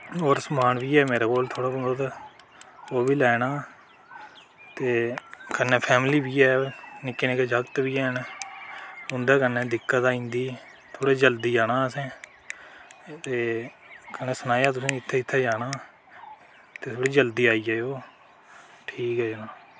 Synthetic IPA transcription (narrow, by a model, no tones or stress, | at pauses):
oːɾsəmaːnʋiːɛːmeːɾaːkoːlt̪ʰoːɽaːb̪d̪ | oːbiːlɛːnaː | t̪eːkənːɛːpʰɛːmliːbiːɛːnɪkːeːneked͡ʒəkt̪ʋiːɛːn | ʊnd̪ɛːkənːɛːd̪ɪkːət̪aːĩːnd̪iː | t̪ʰoːɽeːd͡ʒəld̪iːd͡ʒaːnaːəsɛ̃ː | t̪eː | kənɛːsənaːjaːt̪ʊsĩːɪt̪ʰːeːɪt̪ʰːɛːd͡ʒaːnaː | t̪eːt̪ʰoːɽiːd͡ʒəld̪iːaːiːɛːoː | ʈʰiːkɦɛːd͡ʒɪnãː